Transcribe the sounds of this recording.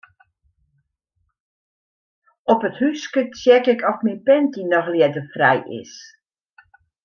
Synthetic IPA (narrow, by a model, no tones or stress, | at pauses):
ɔpəthyskət͡sjɛkɪkʰɔfminpɛntinɔxljɛdəfrɛ̰jɪ̰s